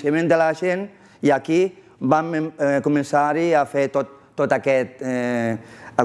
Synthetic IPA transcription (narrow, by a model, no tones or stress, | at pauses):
semẽnd̪elaʒen | iaki | bamkumẽnsaɾiafet̪ot̪ːot̪akɛt̪̚ | a